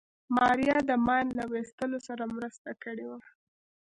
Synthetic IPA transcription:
mɑɾijɑd̪əmɑjnlawest̪əlosaɾamɾəst̪akəɽewa

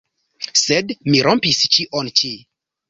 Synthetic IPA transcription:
sedmiɾompist͡ʃiʔont͡ʃi

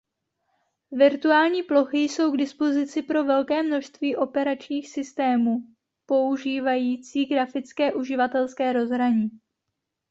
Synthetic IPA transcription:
vɪɾt̪uaːlɲiːplo̞xɪjso̞wɡdɪspo̞zɪt͡sɪpɾo̞vɛlkɛːmno̞ʃst̪viːʔo̞pɛɾat͡ʃɲiːxsɪst̪ɛːmuː | po̞uʒiːvajiːt͡siːɡɾafɪt͡skɛːʔuʒɪvat̪ɛlskɛːɾo̞zɦɾaɲiː

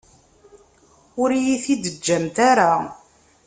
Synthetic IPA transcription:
ʊɾjiθid̪əd͡ʒːæmt̪aɾa

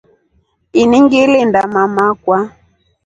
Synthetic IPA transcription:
iniŋɡilɪndamamakwa

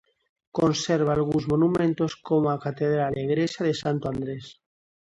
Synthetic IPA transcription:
konseɾβ̞aːlɣ̞unzmonumẽnt̪oskomoakat̪eðɾaleɣɾesjaðesant̪oãnd̪ɾes

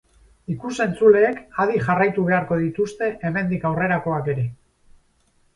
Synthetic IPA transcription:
ikuse̞nt͡sule̞ːkað̞iʝarajt̪uβ̞e̞aɾko̞ð̞it̪ust̪e̞ʔeme̞nd̪ikawre̞ɾako̞ake̞ɾe̞

